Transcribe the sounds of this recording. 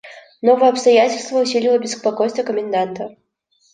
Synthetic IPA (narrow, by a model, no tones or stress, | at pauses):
nɔvəjɛɐpst̪ajat͡sʲɪlʲst̪vəusʲilʲilˠəbʲɪsspakɔjst̪vəkəmʲɪnd̪ant̪ɐ